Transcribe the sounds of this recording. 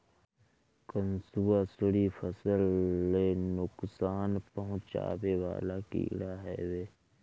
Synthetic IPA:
kənsuːasəɽifʰəsəlːenʊksaːnpəɦʊ̃t͡ʃa̰ːwewa̰ːlakḭːɽaɦɛ̰ːweː

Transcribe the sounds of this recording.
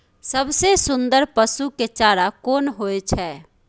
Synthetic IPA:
səbsesʊ̃nd̪əɾpəsuket͡ʃaɾakoːnɦoɛt͡ʃʰɛ

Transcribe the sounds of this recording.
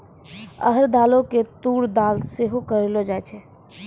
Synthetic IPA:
ə̰ɦəɾd̪aloket̪uɽd̪alseɦokəɾelod͡ʒajt͡ʃʰɛ

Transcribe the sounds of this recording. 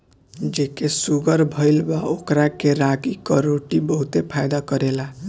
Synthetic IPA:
d͡ʒekesuɡʌɾbʱʌjlbaokɾakeɾakikʌɾoʈibʌɦut̪epʰajd̪akʌɾela

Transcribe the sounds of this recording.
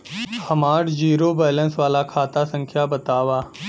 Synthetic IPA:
hɐmaːʈd͡ʒiːɾobɛːlə̃nsʋaːlakʰaːt̪asə̃ŋkʰjabɐt̪aːʋaː

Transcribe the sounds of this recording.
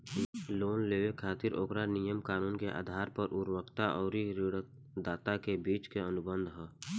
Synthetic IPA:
loːnleːwekʰaːt̪ɪɾʔo̰ːkɾanijəmkaːnuːnkeʔa̰ːd̪ʱaːɾpəɾʔʊɾwəkt̪aʔɔːɾiɾɪɽə | d̪aːt̪akebiːt͡ʃkeənʊbə̃nd̪ʱɦɛː

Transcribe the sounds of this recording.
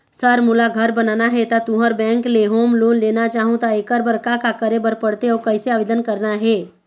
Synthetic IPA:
səɾmʊlaɡʱəɾbənaːnaɦɛt̪at̪uɦəɾbɛ̃ːŋkleɦoːmloːnleːnat͡ʃaːɦũt̪aekəɾbəɾkakakəɾebəɾpəɽt̪eɔːɾkəɪseaːʋeːd̪ənkəɾnaɦɛː

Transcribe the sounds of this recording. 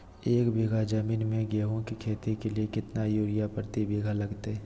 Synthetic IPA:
eːkbeːɡʱad͡ʒəmiːnmẽɡeːɦõkikʰeːt̪ikeliekɪt̪najuːɾɪjapəɾt̪ibʱeːɡʱalɐɡt̪eɦɛː

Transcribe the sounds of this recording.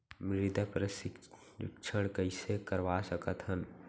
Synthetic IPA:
mɾɪd̪ʱəpɾəsɪ̰ | kʃʰəɽ̃kəɪsekəɾʋasəkət̪ɦən

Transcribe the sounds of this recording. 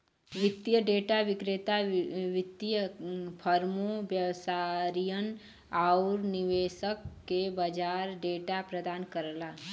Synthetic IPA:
ʋɪt̪ːjəɖeːʈaʋɪkɾet̪aʋɪt̪ːijəpʰəɾmobjəwsaɾijən | aʊɾniʋeːʃəkːebəd͡ʒaːɾɖeːʈapɾəd̪aːnkəɾlaː

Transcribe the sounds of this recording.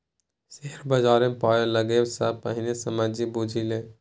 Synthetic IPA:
seɦəɾbəd͡ʒaːɾẽpaːjeləɡesapəɦɪnesəmaːd͡ʒibud͡ʒʱile

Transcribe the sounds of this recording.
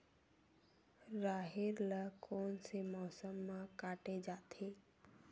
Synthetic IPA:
ɾaːɦeɾləkoːnsemɔːsəmːãkaːʈed͡ʒaːt̪ʰe

